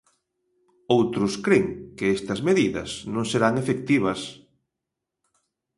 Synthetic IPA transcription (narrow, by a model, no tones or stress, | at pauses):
owt̪ɾʊskɾeŋkɪest̪ɐzmeðiðɐ̰snõŋseɾaŋefek̚t̪iβ̞ɐs